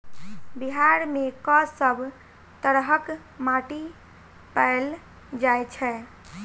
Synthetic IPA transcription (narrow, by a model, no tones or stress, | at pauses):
biɦaɾmekəsəbʱ | t̪əɾɦək | maʈi | pəl | d͡ʒajt͡ʃʰɛ